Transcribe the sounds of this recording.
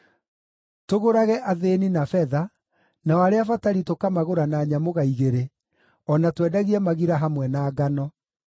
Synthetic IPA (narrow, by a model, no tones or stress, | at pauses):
toɣoɾaɣɛʔaðeninafɛða | naɔaɾeafataɾitokamaɣoɾanaːɲamoɣaiɣeɾe | ɔnatwɛːdaɣiɛmaɣiɾaɦamwɛnaːɡanɔ